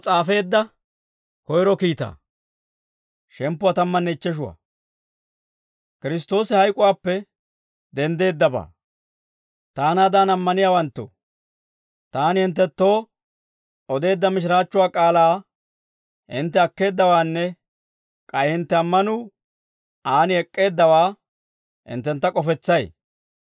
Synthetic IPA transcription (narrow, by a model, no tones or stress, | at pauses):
t͡sʼaːfe̞ːd̪ːɐ | kɔjɾɔkiːt̪a̰ː | ʃɛmpːʊat̪ɐmːɐnːɛɪt͡ʃːɛʃ̬ʊwa̰ː | kɪɾɪst̪o̞ːsɪhɐjkʼʊwaːpːɛ | d̪ɛnd̪e̞ːd̪ːɐba̰ː | t̪aːnaːd̪aːnɐmːɐnɪjaːwɐnt̪ːo̰ | t̪aːnɪhɪnt̪ːɛt̪ːo̞ː | ɔd̪e̞ːd̪ːɐmɪʃ̬ɾaːt͡ʃːʊwaːkʼaːlaː | hɪ̰nt̪ːɛɐkːe̞ːd̪ːɐwaːnːɛ | kʼɐjhɪnt̪ːɛɐmːɐnʊ | aːnɪɛkʼːe̞ːd̪ːɐwaː | hɪ̰nt̪ːɛnt̪ːɐkʼɔfɛt͡sːɐj